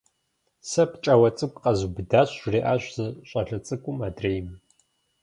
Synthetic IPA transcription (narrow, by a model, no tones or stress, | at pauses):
sɐpʰt͡ʃʼɐwɐt͡sʼɨkʷʼqʼɐzubdaːɕreːʔaːɕʷz̥ɨɕʷʼɐɬɐt͡sʼɨkʷʼʊmaːdreːjm